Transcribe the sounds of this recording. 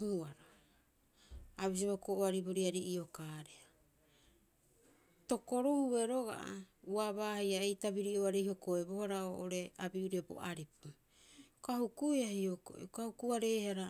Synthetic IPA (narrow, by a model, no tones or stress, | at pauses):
huaɾo | aβis̬iβokoʔoaɾiboɾiaɾiʔiokaɾea | to̞koɾuhue̞ɾo̞ɡa̰ʔa̰uaβaːhejaejtabiɾiʔoaɾeiho̞koebo̞haɾaoʔoɾe̞abiuɾiabo̞̰ʔaɾipu | kahukujahioko̰ʔḭkahukuaɾeːhaɾa